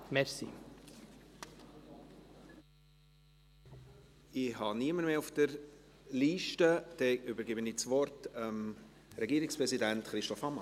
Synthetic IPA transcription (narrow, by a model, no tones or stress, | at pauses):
mɛɾsḭ | ɪhɑniəməɾmeːʊfd̥əɾ | liːʃtəd̥ɛʔʏbəɾɡɪbənɪt͡svɔɾtəm | ɾɛɡiːɾɪkspɾɛzidæntχɾɪʃtɔfhɑmɑ